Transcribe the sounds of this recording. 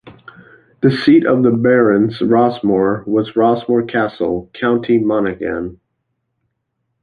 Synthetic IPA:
ðɨsiɾʌvðəbɛɹɨ̃nzɹɑzməɹwʌzɹɑzmə˞kʰæsl̩ˠkʰãʊ̃ntʰimɑnɨɡæ̰̃n

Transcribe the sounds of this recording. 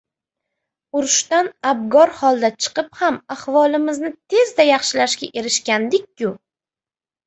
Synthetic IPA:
ʊɾʊʃt̪anab̚ɡɒɾhɒlˠd̪at͡ʃʰɨ̥qɨphamaχvɒlˠɪmɪznɪt̪ʰe̞zd̪ajɑχʃɪlaʃkʲaʔe̞ɾɪʃkʲand̪ɪkʲːʊ

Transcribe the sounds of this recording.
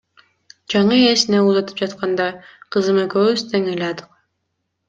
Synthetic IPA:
d͡ʒɑɴɯesinɛuzˠɑt̪ʰɯ̥p̚d͡ʒɑt̪qʰɑnd̪ɑqʰɯzɯmɯkøzt̪ʰeŋelʲɑd̪ɯq̚

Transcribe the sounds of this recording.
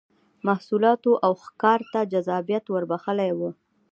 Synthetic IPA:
mahsulɑt̪oʔawxkɑɾt̪ad͡ʒazɑbijat̪wəɾbaxəlajwə

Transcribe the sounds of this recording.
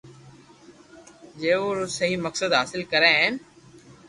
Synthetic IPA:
d͡ʒeːoːɾʊsəɦiːməksəd̪ɦaːsɪlkəɾẽːɦẽn

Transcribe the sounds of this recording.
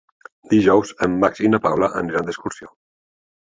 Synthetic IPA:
d̪iʒɔwzəmːaksinəpawlaʔə̰ŋɾand̪əskuɾsio

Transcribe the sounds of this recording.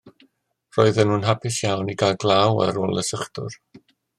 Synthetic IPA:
roɨðənuːnɦapʰɪsjawniɡalɡlˠawa̰ɾoːlˠəsəχdʊ̰r

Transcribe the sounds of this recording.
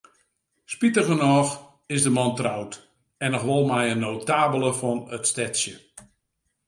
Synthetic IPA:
spitəɣənɔx | ɪsdəmɑntrawt | ɛnɔxʋɔlˠmɛjənːowtaːbəlˠəfɔnətstɛtsjə

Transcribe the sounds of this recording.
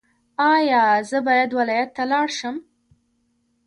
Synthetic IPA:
ɑjɑzəbɑjad̪wɪlɑjat̪ːalɑɽʃəm

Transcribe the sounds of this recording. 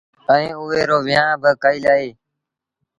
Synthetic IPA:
ə̃ĩːʊɦeːɾoːʋɪjãːbəkaːiːlaːɦeː

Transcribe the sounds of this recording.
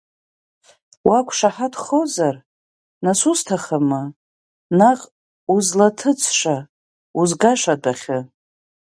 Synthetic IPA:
wakʷʰʂaħatχowzar | nasuztʰaχamɨ | naqʼ | uzlatʰɨt͡sʰʂa | uzɡaʂadaχʲɪ

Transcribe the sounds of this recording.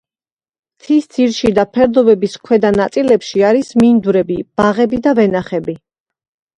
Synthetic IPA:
t̪ʰisd̪sʰiɾʃid̪apʰɛɾd̪ɔbɛbiskʰwɛd̪anat̪sʼilɛpʃiaɾismind̪uɾɛbib̥aʁɛbid̪avɛnaχɛbi

